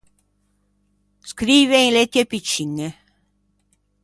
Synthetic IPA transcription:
skɾiːveĩlet̪jepit͡ʃːiŋːe

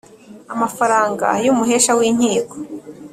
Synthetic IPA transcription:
amafaɾaːŋɡa̰jumuɦeːʃawiːɲ̥iːko̥

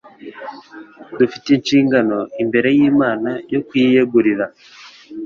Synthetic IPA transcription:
dufitinʃiːŋɡano̞imbe̞ɾe̞jiːmaːnajo̞kujijeɡuɾiɾa

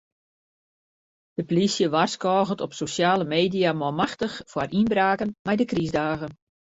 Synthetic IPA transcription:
d̥əpolisjəʋarskɔːɣətɔpsosjaːləmeːdijamɔlˠmaxtəxfwarinbraːkənmɛjdəkrizdaːɣən

